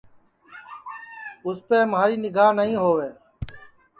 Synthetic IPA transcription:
ʊspeːmɦaːɾiːnɪɡaːɦnəɦĩːɦoːʋeː

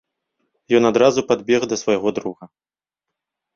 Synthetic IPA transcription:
jɔnad̪ɾazupad̪bʲɛɣd̪ɐsvajɣɔd̪ɾuɣɐ

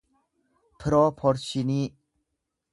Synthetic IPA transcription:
tʰɯɾɔpʰɔɾɕini

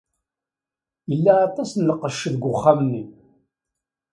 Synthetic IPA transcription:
jəlːæːt̪ˤɑsnələqːəʃːəðɡʷʊχːamni

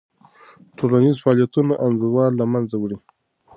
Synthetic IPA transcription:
tolanizfɑɑljat̪unaʔanzawɑlːamanzawɽi

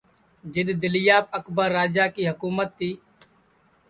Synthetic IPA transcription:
d͡ʒɪɗd̪ɪlɪjaːp̚əkbəɾːaːd͡ʒaːkiːɦəkuːmət̪ːiː

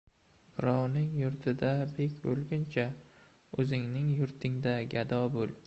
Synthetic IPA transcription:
ɾɒwnɪŋjʊɾt̪ʰɪd̪abekʲbo̰lˠɡʲɪnt͡ʃʰa | ɵzɪŋnɪŋjʊɾt̪ʰɪŋd̪aɡʲad̪ɒbol

